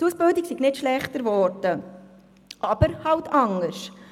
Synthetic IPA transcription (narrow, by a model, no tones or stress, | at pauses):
tusb̥ɪldiksiɡnɪtʃlɛχtəɾvɔɾdə | ʔɑb̥əɾhɑwtʰɑŋəɾʃ